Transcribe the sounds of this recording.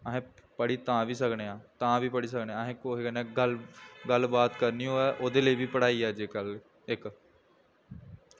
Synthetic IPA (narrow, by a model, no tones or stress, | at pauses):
əɦẽːpəɽiːt̪ãːʋiːsəkneːãːt̪ãːʋiːpəɽiːs̬əkneːãɦẽkokːnɛːɡəlɡəlbaːt̪kəɾniːoːɛːʔoːd̪eːləiːbiːpəɽaːiːaːd͡ʒeːkəl | ɪk